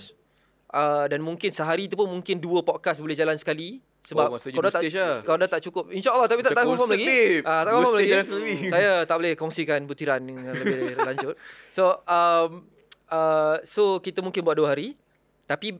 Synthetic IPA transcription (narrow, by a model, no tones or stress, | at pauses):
s | ʔədanmũŋkɪnsəɦaɾit̪upʊnmũŋkɪnduəpɔt̚kasbulɛhd͡ʒalansə̥kali | səbbapkandat̪akawodat̪aʔt͡ʃukʊp̚inʃaʔəlːɑht̪apit̪aafɔfɔmlaɡiʔat̪aʔkɔfɔmlaɡisləisajat̪aʔbolɛhkɔŋsikanbut̪iɾandəŋŋãnləbɪdəlaɲd͡ʒʊt̪̚soʔəm | əsokit̪əmũŋkɪnbuat̚duəɦaɾi | t̪api